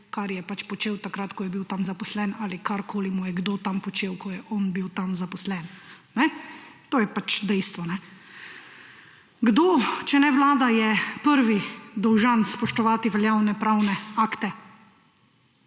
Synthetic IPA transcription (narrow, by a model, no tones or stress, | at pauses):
kaɾjɛpat͡ʃpɔt͡ʃeːwt̪akɾat̪kɔjɛbiwt̪amzapɔslɛnalikaɾkʰoːlimujɛɡd̪oːt̪ampɔt͡ʃeːwkɔjɛʔɔnbiwt̪amzapɔslɛn | nɛt̪oːjɛpat͡ʃd̪ɛjst̪ʋɔnɛ | ɡd̪oːt͡ʃɛnɛʋlaːd̪ajɛpəɾʋid̪ɔwʒanspɔʃt̪ɔʋaːt̪iʋɛljawnɛpɾawnɛaːkt̪ɛ